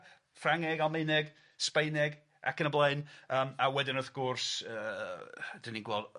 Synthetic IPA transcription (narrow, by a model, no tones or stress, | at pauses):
fraŋɛɡalˠmeɨnɛɡ | spejnɛɡ | a̰kʰənəblˠeɨnəːmawɛdɪnɔθɡ̥ʊrsəː | d̥ɪniŋɡwɛlˠ